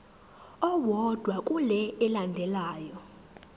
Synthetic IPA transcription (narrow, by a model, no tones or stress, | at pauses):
ɔwɔd̥ʱwakʼulɛɛlandʱɛlaːjɔ